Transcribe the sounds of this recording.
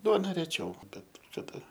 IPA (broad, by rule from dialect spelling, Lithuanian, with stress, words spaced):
ˈduɔnɐ ˈrʲæːt͡ʃʲɛʊ ˈbʲɛt kɐˈdɐ